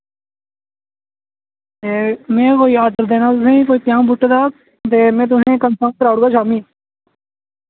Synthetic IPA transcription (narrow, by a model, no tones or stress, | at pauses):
eːmẽːkoːiːaːd̪əɾd̪eːnaːt̪ʊsẽːikoːiːpjãːmbʊʈːd̪aː | d̪eːmẽːt̪ʊɦẽːkənsãːn̚kəɾaːɽɡaːʃaːmĩː